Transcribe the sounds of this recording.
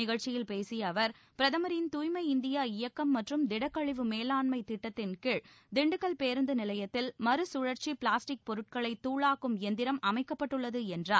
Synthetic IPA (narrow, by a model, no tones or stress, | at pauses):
ɪɣɐɻt͡ʃːɪjɪlpeːsɪjɐʋɐɾ | pɪɾɐðɐmɐɾɪnt̪uːjmɐɪɪnd̪ɪjaːɪjɐkːɐmːɐʈrɯmd̪ɪɽɐkːɐɭɪʋɯmeːlaːnmɐɪt̪ɪʈːɐt̪ːɪnkɪɻ | d̪ɪɳɖɯkːɐɭpeːɾɯnd̪ɯnɪlɐjɐt̪ːɪlmɐɾɯsʊɻɐɾt͡ʃipɭaːsʈɪk̚pɔɾɯʈ̚kɐɭɐɪt̪ːuːɭaːkːɯmɛnd̪ɪɾɐmɐmɐɪkːɐpːɐʈːɯɭːɐðɯɛndraːɾ